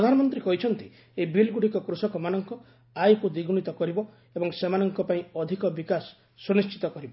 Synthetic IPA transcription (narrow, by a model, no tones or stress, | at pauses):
pɾɔd̪ʱanɔmɔnt̪ɾikɔɦit͡ʃʰɔnt̪i | ebilɡuɽikɔkɾusɔkɔmanɔŋkɔ | ajkud̪iɡuɽ̃it̪ɔkɔɾibɔ | ebɔŋsemanɔŋkɔpaĩɔd̪ʱikɔbikasː | unist͡ʃʰi̥t̪ɔkɔɾibɔ